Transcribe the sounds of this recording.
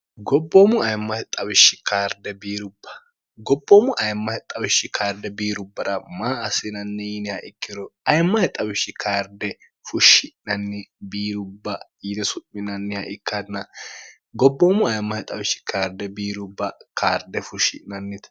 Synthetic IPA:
ɡɔbːoːmʊɐjmːɐhɛt̪ʼɐβɪʃːɪkʰaːɾd̪ɛbiːɾʊbːɐ̥ | ɡɔbːoːmʊʔɐjmːɐhɛt̪ʼɐbɪʃːɪkʰaːɾd̪ɛbiːɾʊbːɐɾɐmaːɐsɪnɐnːɛjɪnɪhɐʔɪkːɪɾɔʔɐjmːɐhɛt̪ʼɐbɪʃːɪkʰaːɾd̪ɛ | fʊʃːɪnɐnːɪbiːɾʊbːɐjɪnɛsʊʔɪnɐnːɪhɐ̰ʔɪkːad̪nɐ | ɡɔbːoːmʊɐjmːɐhɛt̪ʼɐbɪʃːɪ̥kʰaːɾd̪ɛbiːɾʊbːɐkʰa̰ːɾd̪ɛfʊʃɪ̰nɐnːɪt̪

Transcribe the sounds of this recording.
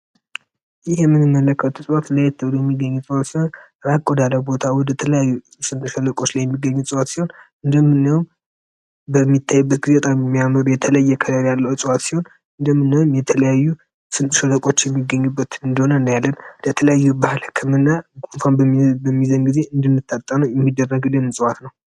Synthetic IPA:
jɪhjɛmːɨnɨmːələkʰːəwt̪ʰusʼɨwat̪lajɛt̪ʰːəbd̪ojɛmːiɡːəɲːusʼɨwat̪sihon | ɾakʼːod̪aləbo̞t̪ʰawɔd̪ət̪ʰələjajːu | sɨnt̪ʼʃələkʼot͡ʃːlajɛmːiɡːəɲːusʼɨwat̪siho̞n | ɨnd̪əmːɨnːəwum | bəmːit̪ʰːajːubːət̪ɡizet̪ʼamjɛmːijaməɾujɛt̪ʰələjːɛkʰəɾəɾjalːəwɨsʼwat̪siho̞n | ɨnd̪əmːɨnːəwumjɛt̪ʰələjajːu | sɨnt̪ʼʃələkʼo̞t͡ʃːjɛmːiɡːəɲːubːət̪ɨnd̪əho̞nənːəjalːənd̪ət̪ʰələjajːubahlhɨkʰːɨmɨnːaɡunfanbəmːizənɡize̞ɨnd̪ɨnːɨt̪ːat̪ʼːənəwjɛmːid̪ːərːəɡɨlːɨnsʼɨwat̪nəw

